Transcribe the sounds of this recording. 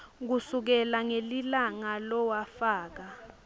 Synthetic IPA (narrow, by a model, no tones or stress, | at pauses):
k̬usuk̬ɛlaŋelilaŋalɔwafaːk̬a